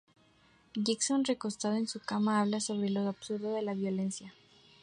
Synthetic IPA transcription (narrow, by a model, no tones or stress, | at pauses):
ʝikso̞nreko̞st̪að̞o̞ensukamaaβlaso̞β̞ɾelo̞aβsuɾðoðe̞laβjo̞le̞nsja